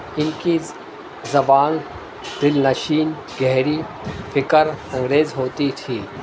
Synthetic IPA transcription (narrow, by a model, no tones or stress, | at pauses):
ɪnki | zɐbaːn | d̪̥ɪlnɐʃiːn | ɡɛɦɾi | fʰɪkəɾɐ̃ŋɡɾeːzɦoːt̪it̪ʰiː